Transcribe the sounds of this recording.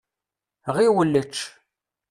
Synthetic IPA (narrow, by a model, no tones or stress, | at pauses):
ʁiwəlːət͡ʃː